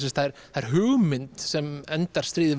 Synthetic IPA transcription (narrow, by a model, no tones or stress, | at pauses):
sɛst̪θaɛɾ̥θaɛɾɦʏːɣmɪnt̪sɛmɛnt̪aɾ̥st̪ɾiːðɪ